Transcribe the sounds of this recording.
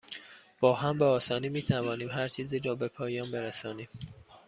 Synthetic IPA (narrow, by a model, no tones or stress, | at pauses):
b̥ɒːɦæmbeɒːsɒːniːmiːt̪ʰævɒːniːmɦæɾt͡ʃʰiːziːɾɒːbe̞pʰɒːjɒːnbe̞ɾæsɒːniːm